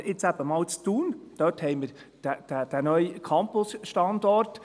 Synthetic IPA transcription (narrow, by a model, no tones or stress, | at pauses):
ʔɪt͡sæb̥əmɑːlt͡st̪uːnd̥œthɛɪməɾ | d̥æd̥æd̥ænœʏkʰɑmpʊsʃtɑnd̪ɔrt